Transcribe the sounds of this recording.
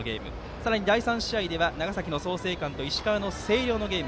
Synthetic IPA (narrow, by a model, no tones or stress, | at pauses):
oɡʲe̞̰ːmɯ̟ | saɾaɲ̟id̪aisãɰ̃ɕiaid̪e̞βanaɡasakʲino̞so̞ːse̞ːkãnt̪o̞iɕi̥kaβːnose̞ːɾʲo̞ːno̞ɡe̞ːmɯ